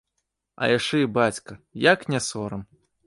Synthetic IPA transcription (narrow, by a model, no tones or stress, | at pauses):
ɐ̰jaʂɛibat͡sʲkɐjaknʲɛsɔɾɐm